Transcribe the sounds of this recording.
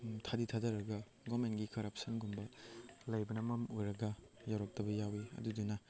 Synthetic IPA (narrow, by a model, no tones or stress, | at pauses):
tʰaditʰadɐɾɐɡɐ | ɡɔmenɡikɐɾɐp̚sɐnɡumbɐlɐjbɐnɐmɐmojɾɐɡɐjawɾɐk̚tɐbɐjawiɐ̰dudunɐ